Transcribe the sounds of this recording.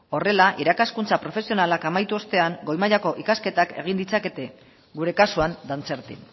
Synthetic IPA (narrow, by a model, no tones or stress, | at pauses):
o̞re̞laʔiɾakaskunt͡sapɾo̞fe̞sio̞nalakamajt̪uo̞st̪e̞aŋɡo̞jmaʎako̞ʔikaske̞t̪ake̞̰ɣ̞ind̪it͡sake̞t̪e̞ | ɡuɾe̞kasuand̪ant͡se̞ɾt̪ḭn